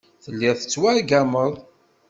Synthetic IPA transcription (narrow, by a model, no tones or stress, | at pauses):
θəlːɪθə̥t͡sːwæɡæməðˤ